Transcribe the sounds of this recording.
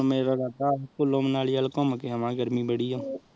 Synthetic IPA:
mẽɾɐɡat̪aːɦkolõːmnaːlijaːlkõːməkeɦəmãːɡəɾmibəɽijõː

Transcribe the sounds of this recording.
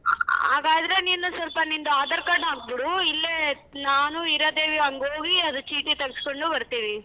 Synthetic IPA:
aːɡaːd̪ɐɾe̞ninːusɐlpɐnind̪uaːd̪ɐɾkaːɽaːɡ̚biɽuilːe | naːnuiɾɐd̪eːʋiɐŋɡoːɡiɐd̪ut͡ʃiːʈit̪ɐɡskoɳɖubɐɾt̪iːʋi

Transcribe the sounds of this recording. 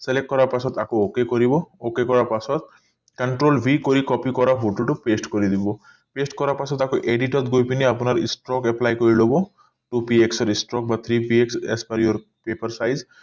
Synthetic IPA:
selek̚ʈ̚kːɔɾapasɔt̪akookekoɾibɔokekɔɾaɹpasɔt̪ | kaɳʈɾolbʱikoɾikɔpikɔɾaɦuʈuʈʊpesʈkoɾid̪ibɔ | pesʈkɔɾapasɔt̪akoʔeɖiʈɔt̪ɡojpiniapunaɾḭsʈɾɔkɛplajkoɹilobɔ | ʈupieksɔɾisʈɾɔk̚bat̪ʰɾipieksḛspaɾijɔɾ | pepaɹsajz

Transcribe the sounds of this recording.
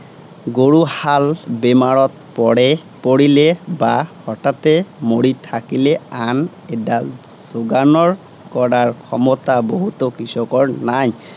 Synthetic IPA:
ɡoɽuhalbemaɾɔt̪pɔɽe | poɽilebahɔʈat̪emoɽit̪ʰakilean | eʈaz̥oɡanɔɾ | kɔɾaɾkʰɔmɔt̪aboɦut̪ɔkɾisɔkɔɾnaɲ

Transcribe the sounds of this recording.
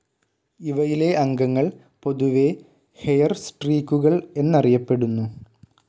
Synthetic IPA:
iʋɐjile̞ʔɐŋɡɐŋːɐɭ | po̞ðuʋe̞ | hejɐrsʈriːkːuɣɐɭe̞nːɐrijɐpːe̞ɽunːu

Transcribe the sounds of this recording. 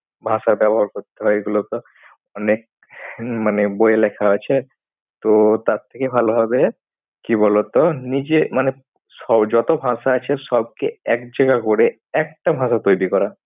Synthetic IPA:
bʱãʃaɾbɛboɦaɾkoɾt̪eɦɔeɡulot̪o | ɔnek̚ | manebojelekʰaet͡ɕʰe | t̪ot̪aɾt̪ʰːekebʱalobʱɔbe | kibɔlot̪onid͡ʑemane | sɔd͡ʑɔt̪obʱãʃaat͡ɕʰeʃɔb̚keɛkd͡ʑeɡakoɾe | ɛk̚ʈabʱãsat̪ojbikɔɾa

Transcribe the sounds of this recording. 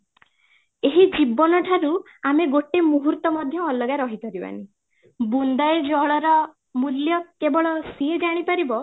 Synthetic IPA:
eɦid͡ʒibɔnɔʈʰaɾu | ameɡoʈemuɦuɾt̪ɔmɔd̪ʱjɔːlɔɡaɾɔɦit̪ɔɾiba̰ni | bund̪ajd͡ʒɔɭɔɾɔ | muljɔkebɔɭɔsied͡ʒaɽ̃ipaɾibɔ

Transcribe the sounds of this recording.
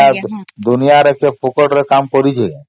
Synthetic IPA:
ad̪unijaɾekepʰukɔʈɾekamkɔɾit͡ʃʰe

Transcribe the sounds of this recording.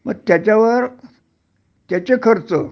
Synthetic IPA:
məɡ̚t̪jat͡ɕaʋəɾ | t̪jat͡ɕekʰəɾt͡sə

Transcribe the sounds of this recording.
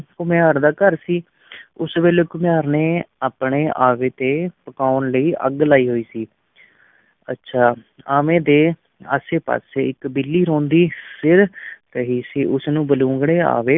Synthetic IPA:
kʊmjaːɾd̪aːkəɾsiː | ʊsʋeːleːkʊmɪjaːɾneːaːpɳeːʔaːʋeːt̪eːpəkaːʊnləiːʔə̰ɡlaːiːɦoːiːsiː | ə̰tːʃʰaː | aːmẽːd̪eː | a̰ːseːpa̰ːseːɪkbɪlːiːɾõːnd̪iːsɪɾt̪əɦiːsiːʔʊsnũːbəlũːŋɡɽeːa̰ːʋeː

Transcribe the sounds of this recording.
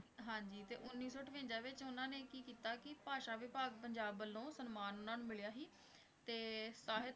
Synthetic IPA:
ɦãːɲd͡ʒiːt̪eːʔʊnːiːsɔːʈʰʋẽːɲd͡ʒãːʋɪt͡ʃʊnãːneːkiːkiːt̪aːkɪpaːʃãːʋɪpaːɡ̚pəɲd͡ʒaːbəlõːsənmaːnʊnãːnũːmɪɭjaːɦiː | t̪eːsaːɦɪt̪

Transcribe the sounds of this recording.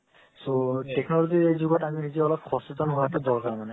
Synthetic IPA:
soteknɔlɔziejzuɡɔtaminizɔɔlɔp̚xʰɔstɔtɔnɦuatɛdɔɹkaɹmanɛ

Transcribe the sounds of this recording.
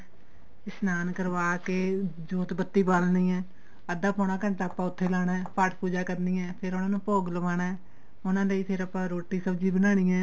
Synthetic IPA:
ɪsnaːnkəɾʋaːkeːd͡ʒoːt̪bət̪ːiːbaːlniːɛ̃ː | əd̪aːpʰoːnãːkə̃nt̪aːəpːãːʊt̪ʰːeːlaːnɛːpaʈʰpuːd͡ʒaːkəɾniːɛːpʰɪɾʊnãːnũːpoːɡləʋaːnaː | ʊnãːləiːpʰɪɾəpːãːɾoːʈːiːsəbd͡ʒiːbənaːɽ̃iːɛ̃ː

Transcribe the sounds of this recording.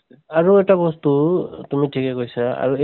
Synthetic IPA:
aɹuɛtabɔstutumitʰikɛkojsaa̰ɹue

